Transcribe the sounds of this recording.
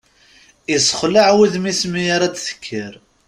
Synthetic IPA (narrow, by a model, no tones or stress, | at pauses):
isə̥χlaʕwiðmismijaɾˤæt͡sθə̥kʰːəɾ